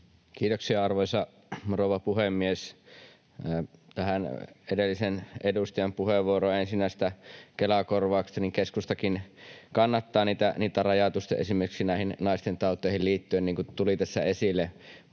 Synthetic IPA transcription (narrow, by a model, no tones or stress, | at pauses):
kiːt̪oksiɑɑrʋoisɑ | roˑuʋɑpuhemːies | t̪æhænedelːisenedust̪ɑjɑmpuheʋːuoroɑensinːæˑis̆t̪ækelɑkorʋɑːkst̪ɑniŋkeskust̪ɑkinkɑnːɑt̪ːɑːniːt̪æniːt̪ːærɑjɑt̪ust̪ɑ̰ḛsimerkiksinæˑihinnɑˑist̪ent̪ɑˑut̪ːˑeˑihilliːt̪ːyenniːŋkut̪ulit̪æsːæ̰esilːe